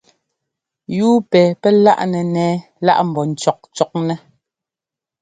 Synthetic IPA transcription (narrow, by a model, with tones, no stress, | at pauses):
juː˦pɛː˨pɛ˦la̰˦ʔnɛ˨nɛː˦ | la̰˦ʔm̩˨bɔ˨n̩˨t͡ʃɔ˨k̚t͡ʃɔ˨k̚nɛ˦